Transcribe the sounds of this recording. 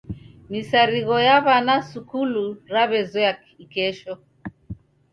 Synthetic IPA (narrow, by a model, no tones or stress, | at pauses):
misaɾiɣɔjaβanasukuluɾaβɛzɔa | ikɛʃɔ